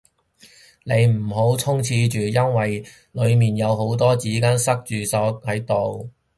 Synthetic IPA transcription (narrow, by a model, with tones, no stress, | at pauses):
ne˨˧jm̩˨˩ɦo˨˥wt͡sʰʊ˥ŋt͡sʰiː˧t͡ʃyː˨jɐ˥nwɐ˨j | lɵ˨˧ɥmiː˨njɐ˨˧wɦo˨˥wt̪ɔː˥t͡siː˨˥kaː˥nsɐ˥k̚t͡ʃyː˨sɔː˨˥hɐ˨˥jt̪o˨w